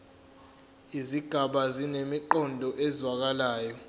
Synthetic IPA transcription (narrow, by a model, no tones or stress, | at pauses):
iziɡ̥ʱaɓazinemiǃɔndʱɔʔɛzwak̬alaːjɔ